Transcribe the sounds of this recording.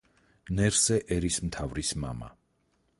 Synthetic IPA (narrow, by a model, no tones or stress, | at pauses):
nɛɾsɛʔɛɾismt̪ʰavɾisma̰ma̰